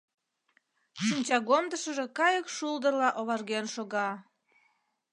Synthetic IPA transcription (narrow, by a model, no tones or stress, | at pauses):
ʃinʲt͡ɕɑɣomd̪əʃəʒekɑjəkʃuld̪ərlɑʔoβɑrɣenʃoɣɑ